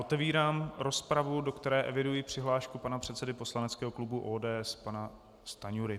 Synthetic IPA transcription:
ʔot̪ɛviːɾaːmɾo̞spɾavudo̞kt̪ɛɾɛːʔɛvɪdujipr̝̥ɪɦlaːʃkupanapr̝̥ɛt̪sɛdɪpo̞slanɛtt͡skɛːɦoklubuʔoːdɛːɛspana | st̪aɲuɾɪ

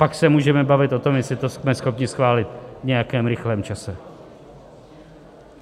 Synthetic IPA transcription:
paksɛmuːʒɛmɛbavɪt̪ʔo̞t̪o̞mjɛsɪt̪osmɛsxo̞pɲɪsxvaːlɪt̪vɲɛjakɛːmɾɪxlɛːmt͡ʃasɛ

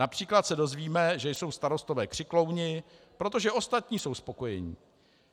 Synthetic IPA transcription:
napr̝̥iːklat̪sɛdo̞zviːmɛʒɛjso̞wst̪aɾo̞st̪o̞vɛːkr̥ɪklo̞wɲɪpɾo̞t̪o̞ʒɛʔo̞st̪at̪ɲiːso̞wspo̞ko̞jɛɲḭː

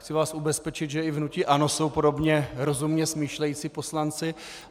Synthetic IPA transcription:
xt͡sɪvaːsubɛspɛt͡ʃɪd̪ʒɛɪvnucɪʔano̞so̞wpo̞do̞bɲɛɾo̞zumɲɛsmiːʃlɛjiːt͡sipo̞slant͡sɪ

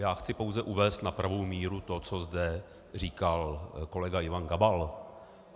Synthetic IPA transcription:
jaːxt͡sɪpo̞wzɛʔuvɛːst̪napɾavowmiːɾut̪o̞t͡so̞zdɛ | r̝iːkalko̞lɛɡajɪvanɡabal

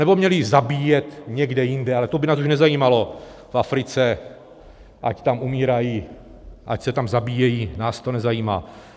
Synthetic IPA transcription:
nɛbo̞mɲɛlɪzabiːjɛt̪ɲɛɡdɛjɪndɛalɛt̪obɪnaːs̬uʃnɛzajiːmalo̞ | fafɾɪt͡sɛ | ʔa̰ct̪amumiːɾaji | ʔa̰csɛt̪amzabiːjɛjiːnaːst̪o̞nɛzajiːma̰ː

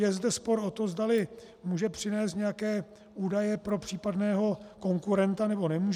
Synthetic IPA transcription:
jɛzdɛspo̞ɾo̞t̪ozdalɪ | muːʒɛpr̝̥ɪnɛːst̪ɲɛjakɛː | ʔuːdajɛpɾo̞pr̝̥iːpadnɛːɦo̞ko̞ŋkuɾɛnt̪anɛbo̞nɛmuːʒ

